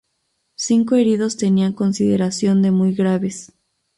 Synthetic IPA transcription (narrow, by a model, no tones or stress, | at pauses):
siŋko̞e̞ɾið̞o̞st̪e̞niaŋko̞nsiðe̞ɾasjo̞nd̪e̞mujɣɾaβe̞s